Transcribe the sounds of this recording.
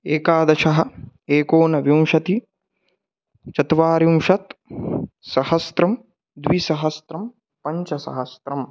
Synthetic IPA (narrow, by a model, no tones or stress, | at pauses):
eːkaːd̪ɐʃɐɦɐ̆eːkoːnɐʋjimʂɐt̪i | t͡ʃɐt̪ʋaːɾjimʂɐt̪ | sɐhɐst̪ɾɐm | d̪ʋisɐɦɐst̪ɾɐm | pɐɲt͡ʃɐsɐ̰ɦɐst̪ɾɐm